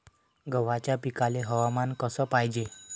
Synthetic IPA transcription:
ɡəʋat͡ɕjapikaleɦəʋamankəsəpajd͡ʑe

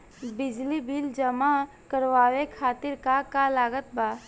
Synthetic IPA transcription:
bɪd͡ʒlibild͡ʒɐma | kəɾʋaːwekʰaːt̪ɪɾkakalaːɡət̪̚baː

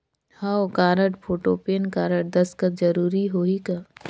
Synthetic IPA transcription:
haːokaːɾəʈpʰoːʈopeːnkaːɾəʈ̚d̪ɐskət̪̚d͡ʒɐɾuːɾiɦoːika

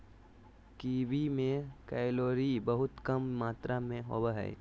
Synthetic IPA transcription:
kiːbimẽkɛːɪloːɾibəɦʊt̪kɐmːaːt̪ɾamẽɦo̰bɦɛ̰ː

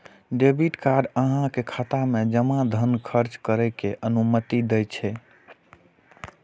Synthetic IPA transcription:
ɖebiʈkaɖəɦãkekʰat̪amed͡ʒəmad̪ʱənkʰəɾt͡ʃkəɾɛkeʔənumət̪id̪ɛjt͡ʃʰɛ

